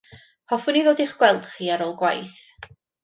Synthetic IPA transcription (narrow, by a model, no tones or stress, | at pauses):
pʰɔfʊniðoːdiχɡ̥wɛlˠd̥χiːaɾoːlˠɡwa̰jθ